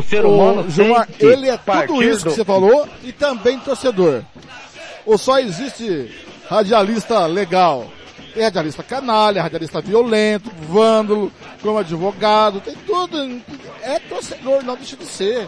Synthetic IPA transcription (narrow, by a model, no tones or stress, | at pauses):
ʊseɾɐ̃nʒuaelɪɛt̪pud̪ʊisʊkɪsefaloɪt̪ɐ̃bẽj̃t̪oɾsed̪oɾ | ʊsɔezist͡ʃɪ | had͡ʒialist̪ɐleɡaw | t̪ẽj̃had͡ʒialist̪ɐkɐnalɛhad͡ʒialist̪ɐviolẽnt̪ʊvɐ̃nd̪ʊlʊ | kõmʊad͡ʒivoɡad̪ʊt̪ẽj̃t̪ud̪ʊ̃ɛt̪oɾsed̪oɾnɐ̃w̃d̪ejʃɐd͡ʒɪseɾ